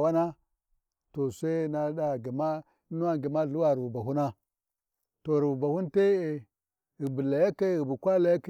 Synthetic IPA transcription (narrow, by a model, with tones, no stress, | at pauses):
wa˦na˦ | to˨sa˦na˨da˨ɡi˨ma˦ | nu˦wa˦ɡi˨ma˦˨ɮu˦wa˨ɾvu˨ba˨ɦu˦na˦ | to˨ɾi˨vu˨ba˨hu˦n˦te˦e˨ | i˨bi˨la˨ja˦ka˦˨ɣi˨bu˨kʷa˦la˨ja˦k